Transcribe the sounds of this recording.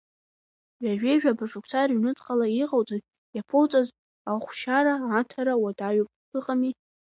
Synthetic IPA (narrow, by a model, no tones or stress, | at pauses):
ɥᶣaʒᶣeʒᶣabaʂʼukʷʰt͡sʰarɥnɨt͡sʼqʼalaiqʼawt͡sʼaz | japʰowt͡sʼaz | aχʷʃaɾaːtʰaɾawadaɥopʼ | ɨqʼami